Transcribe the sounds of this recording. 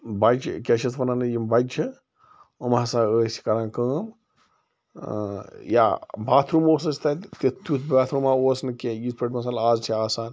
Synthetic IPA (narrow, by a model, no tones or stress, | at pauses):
bat͡ʃʰkʲeʃɐsʋɐnanɨjimbad͡ʒt͡ʃʰi | umasãːəːsi̥kɐɾãːnkəːm | ja̰bʱaːt̪ʰɾumoːsɐst̪ɐt̪t̪it̪ut̪ʰbaːt̪ʰɾumaoːsnɨkejispeʈmɐs̬aːlaːzt͡ʃʰiaːsaːn